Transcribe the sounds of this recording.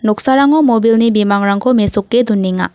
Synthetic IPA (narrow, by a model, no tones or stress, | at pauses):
nɔk̚saɾaŋɔmobilnibimaŋɾaŋkʰɔmesuk̚ːedunːiŋa̰